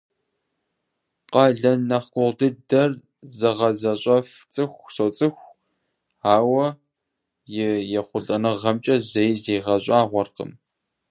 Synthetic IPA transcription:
qɑɮɐnɐχkʷʼʊʁdɨdɐr | zɐʁɐzɐɕʼɐft͡sʼɨxʷsowt͡sʼɨxʷ | aːwɐ | jɪjɛχʷʊɮʼɐnɨʁɐmt͡ʃʼɐzɐjziːʁɐɕʼaːʁʷɔrqə̰m

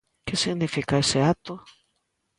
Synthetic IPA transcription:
kesiɣnifikaeseat̪o

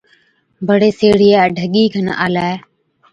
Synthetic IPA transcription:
bʱəɽeːseːɽ̤iːaːɖʱəɠiːkʰəna̰ːlaːe

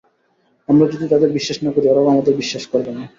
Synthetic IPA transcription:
amɾad͡ʒud̪it̪ad̪eɾbiʃːaʃnakoɾiɔɾaamad̪eɾbiʃːaʃkɔɾbena

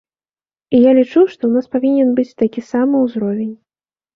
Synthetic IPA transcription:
ijalʲit͡ʂuʂt̪ɔwnaspavʲinʲɛnbɨt͡sʲt̪akʲisamɨwzɾɔvʲenʲ

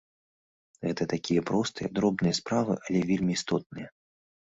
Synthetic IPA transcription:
ɣɛt̪ɐt̪akʲijɐpɾɔst̪ɨjɐ̰d̪ɾɔbnɨjɐspɾavɨ̰ʔalʲɛvʲelʲmʲiːst̪ɔt̪̚nɨjɐ

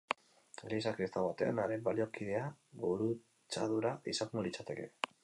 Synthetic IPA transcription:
lisakɾist̪aβat̪e̞a̰naɾebalio̞kið̞e̞aβuɾu | t͡saðuɾaisaŋŋulit͡sat̪e̞ke̞̰

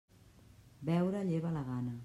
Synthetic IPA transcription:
bɛwɾaʎeβalaɣanə

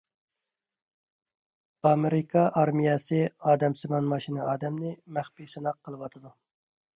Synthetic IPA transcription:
ɑmeɾɪkʰɑʔɑɾmijɛsɨɑːd̪ɛmsɪmɑnmɑʃinɨɑːd̪ɛmnɪmæχpijsɪnɑqʰːəlˠɨwɑt̪ʰɨd̪u

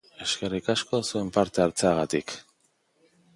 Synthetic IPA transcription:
e̞ske̞rikasko̞sue̞mpaɾt̪e̞aɾt͡se̞aɣat̪ik

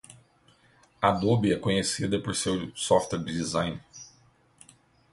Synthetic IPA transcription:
ɐd̪obiɛkõɲesid̪ɐpoɾsewsɔft̪wɛɾd͡ʒd͡ʒizãj̃n

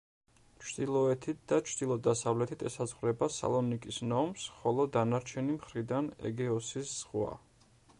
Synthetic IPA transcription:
t͡ʃʰd̪ilˠɔɛt̪ʰit̪̚ʰd̪̥at͡ʃʰd̪̥ilˠɔd̪asavlɛt̪ʰit̪ʰɛsazʁɾɛbasa̰lˠɔnikʼisnɔmsχɔlˠɔd̪anaɾt͡ʃʰɛnimχɾid̪anɛ̰ɡɛɔsisz̥ʁwa̰

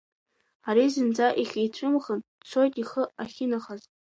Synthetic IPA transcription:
aɾizɨnd͡zaʔiχʲejt͡ɕʷʰʼɨmχən | t͡sʷʰo̞jtʼiχəaχʲɪnaχazʼ

